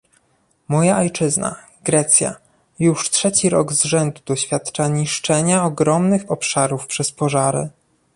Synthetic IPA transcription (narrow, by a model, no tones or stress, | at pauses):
mɔjaʔɔjt͡ʂɘzna̰ | ɡɾɛt̪sʲja̰ | juʂtʂɛt͡ɕiɾɔɡzʐɛnd̪ud̪ɔɕfʲjat̪t͡ʂaɲiʂt͡ʂɛɲaɔɡɾɔmnɘxɔpʂaɾufpʂɛspɔʐaɾɘ̰